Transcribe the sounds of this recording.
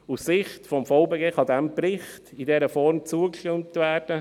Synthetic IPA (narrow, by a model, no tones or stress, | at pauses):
ussɪχtfɔmfɔʊbeːɡeːχɑd̪ɛmpɾɪχtidɛɾəfɔɾmt͡suəkʃtʏmtvæːɾd̥ə